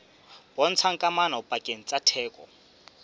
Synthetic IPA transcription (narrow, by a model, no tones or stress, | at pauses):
b̥ɔn̩t͡sʰaŋ̩kʼamanaupʼakʼeŋ̩t͡sʼatʰɛːkʼɔ̰